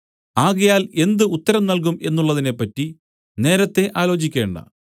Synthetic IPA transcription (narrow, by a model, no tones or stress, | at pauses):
aːɣɐjaːle̞nd̪ɨut̪ːɐɾɐmnɐlk̬ume̞nːuɭːɐðine̞pːɐtːi | ne̞ːɾɐt̪ːe̞ʔaːlo̞ːt͡ɕikʲːe̞ːɳɖɐ̰